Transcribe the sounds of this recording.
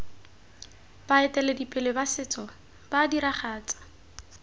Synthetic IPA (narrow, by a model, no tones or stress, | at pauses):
b̥aɛtʼɛledipʼɪlɪbasɪt͡sʼɔ | b̥adiɾaχaːt͡sʼḁ